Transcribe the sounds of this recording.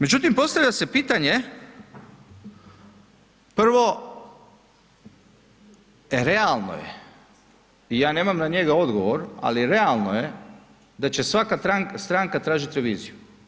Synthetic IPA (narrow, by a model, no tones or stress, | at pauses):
me̞d͡ʑut̪impo̞st̪aʋlʎase̞piːt̪aɲe | pr̩ʋo̞ | eɾe̞alˠno̰jḛ | ijaːne̞ːmamnaɲe̞ɡao̞d̪ɡoʋoɾa̰liɾealˠnoje | d̪at͡ɕe̞sʋakat̪ɾaŋkst̪ɾaŋkat̪ɾaːʒit̪ʲɾeʋiːziju